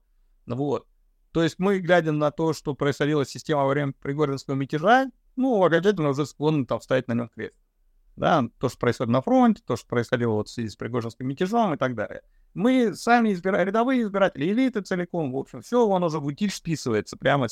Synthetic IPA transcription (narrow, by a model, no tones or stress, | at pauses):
vo̞t̪̚ː | o̞jɪsʲtʲmɨɡlʲædʲɪmnɐt̪o̞ʂt̪o̞pɾəɪsxɐdʲilˠəsʲsʲːɪsʲtʲe̞məvɐvɾʲemʲpɾʲɪɡo̞ʐənskəvəmʲɪtʲɪʐa | nuɐkɐnʲt͡ɕæt̬ʲɪlʲnəɾəzɨskonːɨt̪amfst̪ajæt̚ʲnɐnʲo̞mkɾʲesʲtʲ | d̪a̰t̪o̞ʂt̪opɾəɨɪsxodʲɪt̪nɐfɾo̞nʲtʲɪ̥t̪o̞ʂt̪opɾəɪsxɐdʲilˠəvo̞t̪fsvʲɪzʲispɾʲɪɡo̞ʐɪnskʲɪmːʲɪtʲɪʐomɨt̪ɐɡ̚d̪a̰lʲɪ̰ə | mɨsamʲɪɪzbʲɪɾɾʲɪd̪ɐvɨjəɪzbʲɪɾatʲɪlʲɪɪlʲit̪ɨt̪sɨlʲɪko̞mvo̞pɕɪmfsʲojɪvoɐno̞zəbɨtʲitʲspʲisɨvəjɪt̪səpɾʲamə